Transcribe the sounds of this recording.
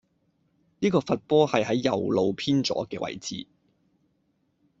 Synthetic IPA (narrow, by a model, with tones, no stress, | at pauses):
niː˥kɔː˧fɐ˨t̚pɔː˥hɐ˨jɦɐ˨˥jːɐ˨˩wlo˨˧wpʰiː˥nt͡sɔ̰ː˨˥kɛː˧wʔɐ̰˨˩jt͡sḭː˨